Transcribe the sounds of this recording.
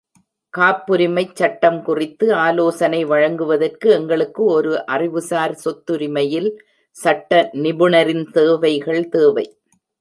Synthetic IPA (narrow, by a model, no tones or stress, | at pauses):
kaːpːɯɾɪmɐɪt͡ʃːɐʈːɐmkʊrɪt̪ːɯaːloːsɐnɐɪʋɐɻɐŋɡɯʋɐðɐrkɯɛŋɡɐɭɯkːɯɔɾɯʔɐrɪʋɯsaːɾsɔt̪ːɯɾɪmɐjɪl | sɐʈːɐnɪbɯɳɐɾɪnt̪eːʋɐɪɣɐɭt̪eːʋɐɪ